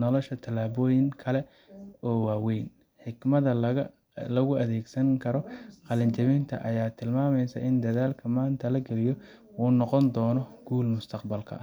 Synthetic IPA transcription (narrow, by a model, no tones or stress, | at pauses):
nɔlɔʃɐt̪ʰɐlaːβɔːjɪŋkʰɐlɛ | ɔːwaːwɛjn | ħɪɡmɐðɐ | lɐɣʊɐðeːɡsɐŋkʰɐɾɔqɑlɐɲt͡ʃɐmɪnt̪ʰɐ̰ʔɐjaːt̪ʰɪlmaːmɛjsɐ̰ʔɪnd̪ɐðaːlkʰɐmaːnt̪ʰɐlɐɡɐlɪjɔ | uːnɔqɔnd̪ɔːnɔɡ̥uːlmʊst̪ʰɐqbɐlkʰɐ̰